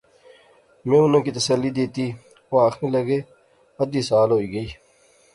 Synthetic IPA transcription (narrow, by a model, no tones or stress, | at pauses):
mẽːʊnõːkiːt̪əsəlːiːd̪eːt̪iː | oːaːxʰɾĩːləɡeː | əd̪iːsaːlɦoːiːɡəiː